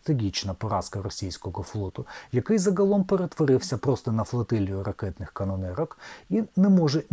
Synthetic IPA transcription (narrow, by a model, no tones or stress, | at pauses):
t̪ɪɡʲit͡ʃnɐpɔɾɑskɐɾɔsʲijsʲkɔɣɔflˠɔt̪ʊjɐkɪjzɐɣɐlˠɔmpeɾet̪ʋɔɾɪwsʲɐpɾɔst̪ɔnɐflˠɐt̪ɪlʲiʊɾɐkɛt̪nɪxkɐnɔnɛɾɐkinɛmɔʒɛ